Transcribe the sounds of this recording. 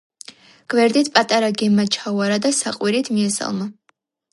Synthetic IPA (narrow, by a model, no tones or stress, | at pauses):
ɡ̥vɛɾd̪it̪ʰpʼat̪ʼaɾaɡɛmːat͡ʃʰawaɾad̪asaqʼwiɾit̪ʰmiɛsa̰lˠma